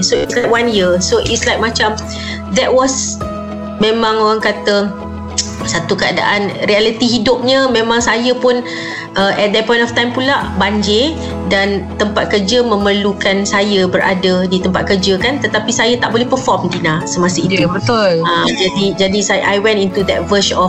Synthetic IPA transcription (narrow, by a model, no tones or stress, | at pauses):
soḭslajk̚wanjisoʔḭtslajk̚mat͡ʃam | d̪ɛt̚wɔs | mẽmãŋoɾaŋkat̪ə | sat̪ukəada̰ʔanrialit̪iɦidʊp̚ɲəmẽmãŋsajəpʊn | ʔəʔɛt̪̚d̪ɛpɔ̃j̃ntɔft̪ãjmpulaʔbaɲd͡ʒe | dant̪əmpat̪̚kəd͡ʒəmə̃məlukansajəbəɾʔa̰dədit̪əmpat̪̚kəd͡ʒəkant̪ət̪apisajət̪aʔ̚bolɛhpəfɔmdinasəmasəit̪ubət̪uad͡ʒadid͡ʒadisajʔajwɛ̃ntint̪ud̪ɛt̚vəʃɔf